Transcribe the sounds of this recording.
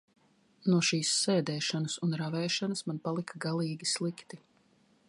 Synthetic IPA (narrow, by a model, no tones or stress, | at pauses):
nuɔʃiːsːɛːd̪ɛːʃanɐsunɾavɛːʃanɐsmanpalˠikaɡalˠiːɡʲislˠikt̪i